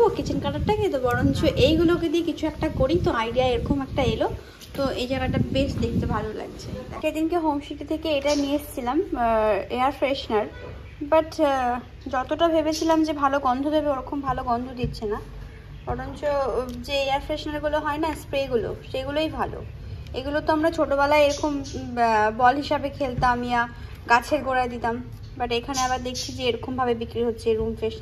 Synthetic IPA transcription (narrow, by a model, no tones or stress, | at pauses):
bokit͡ɕʰinkaʈaʈʈaket̪obɔɽont͡ɕoʔejɡuloked̪iekit͡ɕʰuɛkʈakoɾit̪oajɖiaeɾɔkʰomɛkʈaelo | t̪oejd͡ʑaɡaʈabeʃd̪ekʰit̪ebʱalola̰ɡt͡ɕʰeaʃad̪inkeɦow̃ʃit̪it̪ʰekeeʈanieʃt͡ɕʰilam | eaɾfɾeʃnaɾ | baʈ | d͡ʑɔt̪oʈabʱebet͡ɕʰilamd͡ʑebʱaloɡɔnd̪ʱob̪ʱebeoɾɔkʰːombʱaloɡɔnd̪ʱod̪it̪ːɕʰena | bɔɾont͡ɕod͡ʑeeaɾfɾeʃnaɾɡuloɦɔenaspɾeɡulo̰ʃeɡulojbʱalo̰ | eɡulot̪oamɾat͡ɕʰoʈobɛlaeeɾɔkom | bɔlɦiʃabekʰelt̪aamija | ɡat͡ɕʰeɾɡoɾaed̪it̪am | baʈekʰaneaβaɾd̪ekʰt͡ɕʰid͡ʑeeɾɔkʰombʱabebikɾiɦotːɕʰeɾumfɾeʃna